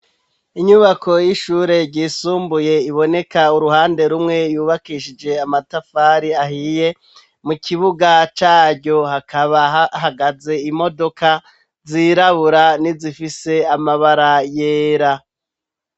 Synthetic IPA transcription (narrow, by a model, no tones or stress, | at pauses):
iɲuβako̞jiʃuɾe̞ɾɟiːsuːmbuje̞iβo̞ne̞kauɾuɦaːnde̞ɾumŋe̞juːβakiʃid͡ʒe̞amatafaːɾiahije̞ | mukiβuɡat͡ʃaːɾɟo̞hakʰaβahaɡaze̞imo̞do̞ka | ziɾaβuɾanizifise̞amaβaɾajeːɾa